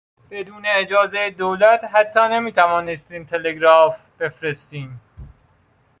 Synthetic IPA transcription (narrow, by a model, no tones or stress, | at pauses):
b̥e̞d̪uːneːd͡ʒɒːzejed̪oːlæt̪ɦæt̪ʰːɒːne̞miːt̪ʰævɒːnest̪iːmt̪ʰe̞leɡɾɒːf | b̥e̞fɾest̪iːm